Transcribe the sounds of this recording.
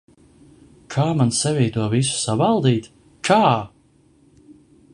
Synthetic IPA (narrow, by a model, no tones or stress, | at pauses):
kʰaːmansɛvʲiːt̪uɔvis̬u̥savalˠd̪iːt̪ | kʰaː